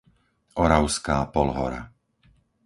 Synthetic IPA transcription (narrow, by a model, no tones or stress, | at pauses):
ʔɔɾaʊskaːpɔlɦɔ̰ɾa̰